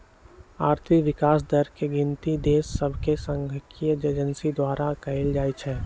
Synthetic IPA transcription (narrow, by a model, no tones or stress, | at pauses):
aːɾt̪ʰɪkʋɪkaːs̬d̪əɾkeɡɪ̃nt̪id̪eːsːɐbʱkesə̃ŋɡʱəkʰijəd͡ʒed͡ʒənsid̪waːɾʔakɐɪld͡ʒaːit͡ʃʰɛː